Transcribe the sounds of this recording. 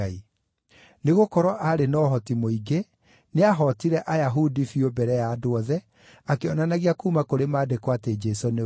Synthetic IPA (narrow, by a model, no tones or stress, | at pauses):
ai | neɣokɔɾɔʔaɾenɔɦɔtimoiɡe | neaɦɔtiɾɛʔajaɦudifiobɛɾɛjaːdoɔðɛ | akeɔnanaɣiakuːmakoɾemaːdekwated͡ʒɛsone